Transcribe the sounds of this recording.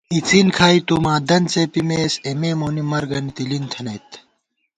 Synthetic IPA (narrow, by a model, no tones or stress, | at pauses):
it͡sinkʰaːit̪umãːd̪ɐnt͡sepimeːsemeːmoːnimɐɾɡɐnit̪ilint̪ʰɐnɐjt̪